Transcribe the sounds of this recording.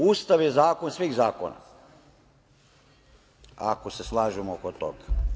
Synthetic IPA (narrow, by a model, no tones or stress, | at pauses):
uːst̪aʋjezaːkonsʋiɣzaːko̰na̰ | a̰koseslˠaːʒemookot̪oɡa